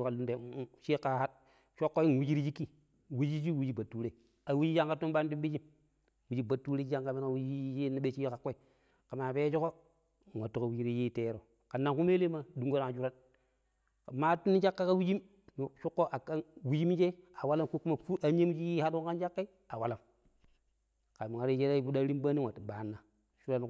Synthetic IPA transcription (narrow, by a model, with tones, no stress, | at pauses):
ka˨lu˦nde˨˦ʃe˦ka˨ha˦t̚ | ʃo˦kːo˦i˦n˨wi˦d͡ʒi˦ɾi˦d͡ʒi˦kːi˦˨ | wi˦d͡ʒi˦d͡ʒi˦wi˦d͡ʒi˦ba˨tːu˦ɾe˨ | a˨wi˦d͡ʒi˦d͡ʒa˦ŋka˦tu˦n˦ɓa˦n˦du˦mbi˦d͡ʒi˦m | wi˨d͡ʒi˦ba˨tːu˦ɾe˦a˦ŋka˦mi˦n˦a˨wi˦d͡ʒi˦je˦ni˦ɓe˦t͡ʃi˦ka˦kːo˦i˨˦ | ka˨maː˨pe˦d͡ʒo˦ko˦˨ | wa˨tːu˦˨ka˨wu˦d͡ʒi˦ɾi˦ji˦˨te˦ɾo˨ | ka˨nːa˨ŋku˦me˦le˦ma˦du˨ŋɡo˦na˨ŋa˨d͡ʒu˦ɾa˦n | kma˦tu˦nːi˦d͡ʒa˦kːa˦ka˦wi˦d͡ʒi˦m | n˨ʃu˦kːo˦ʔa˨ka˦nwi˦d͡ʒi˦m˦d͡ʒe˦a˨wa˦la˦mku˦ku˦ma˨fu˦a˨ɲe˦m˦d͡ʒi˦ji˦ha˦du˦ka˦nd͡ʒa˦kːa˦ | a˨wa˨la˨m | ka˨mi˨ŋa˨ɾe˦d͡ʒe˦ɾa˦i˦bu˦da˦ɾi˦mba˦ni˦wa˨tːi˨ba˨˦nːa˨ | ʃu˦ɾa˦n˦